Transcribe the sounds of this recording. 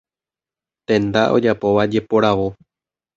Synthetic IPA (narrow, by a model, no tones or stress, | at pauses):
t̪ẽ̞nd̪aʔo̞̰d͡ʒapo̞ʋad͡ʒe̞po̞ɾaʋo̞